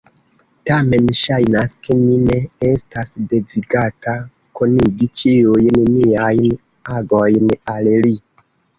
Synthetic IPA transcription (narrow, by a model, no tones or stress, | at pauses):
tame̞nʃajnaske̞mine̞estasde̞viɡata | koniɡit͡ʃijujnniajn | aɡojnalli